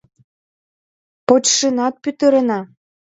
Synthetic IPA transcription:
pot͡ɕʃənɑt̪̚pyt̪əɾənɑ

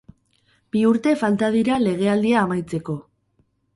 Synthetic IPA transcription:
b̥iuɾt̪e̞falt̪aðiɾale̞ɣ̞e̞ald̪iaːmajt͡se̞ko̞

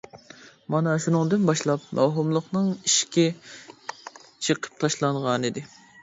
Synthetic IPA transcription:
mɑnɑʃunɨŋd̪ɨnbɑʃlˠɑp̚mɑɦumlˠəχnɨŋiʃkʲɛ | t͡ʃʰəqʰə̥p̚t̪ʰɑʃlˠɑɴʁɑnɨd̪ɪ

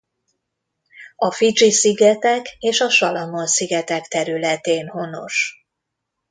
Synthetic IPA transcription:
ɒfit͡ʃisiɡɛt̪ɛkeːʃɒʃɒlɒmo̞nsiɡɛt̪ɛkt̪ɛɾylɛt̪eːnho̞no̞̰ʃ

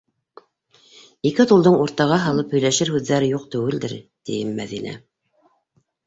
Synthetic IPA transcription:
ikɘt̪ulˠd̪ɤɴuɾt̪ɑʁɑɦɑlˠɤphɵ̆jlæʃɘɾhʉðːæɾɘjuq̚t̪ɵ̆wɘ̆ld̪ɘɾt̪ijɘmːæðinæ̰

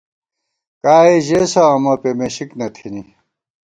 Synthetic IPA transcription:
kaːeʑesɐːmɐpemeɕiknɐt̪ʰini

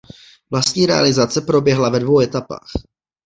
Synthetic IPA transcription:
vlast̪ɲiːɾɛa̰lɪzat͡sɛpɾo̞bjɛɦlavɛdvo̞wɛt̪apa̰ːx

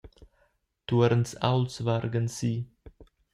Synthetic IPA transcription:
t̪uɾnsa̰wlsvaɾɡənsiː

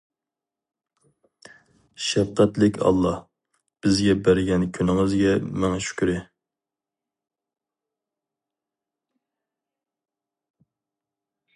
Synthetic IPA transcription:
ʃɛfqʰæt̪lɪkʲʰɑ̰lˠːɑh | b̥ɪzɡʲɛbæɾɪɡʲɛnkʲʰynɪŋɨzɡʲɛmɛŋɛʃy̥kʲyɾɪ

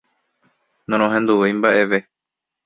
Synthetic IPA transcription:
nõɾ̃õɦẽ̞nd̪uʋejmbaʔe̞ʋe

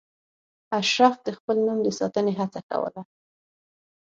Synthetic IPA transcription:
aʃɾafd̪əxpəlnumd̪əsɑt̪əneɦat͡saka̰wə̰la

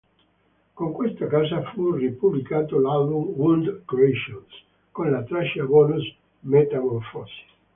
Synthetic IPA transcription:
koŋkwest̪akaːsafuripublikaːt̪olalbumwund̪kɾeʃons | konlat̪ɾaʃabɔnus | met̪amɔɾfɔsi̥

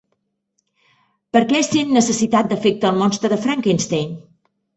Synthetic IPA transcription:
pəɾkɛsenːəsəsit̪at̪̚d̪əfɛk̚t̪əːlˠmɔnst̪ɾəðəfɾaŋkinst̪ejn

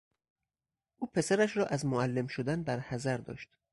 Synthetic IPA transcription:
ʔuːpʰe̞sæɾæʃɾɒːʔæzmoælːemʃod̪ænbæɾhæzæɾd̪ɒ̰ːʃt̪

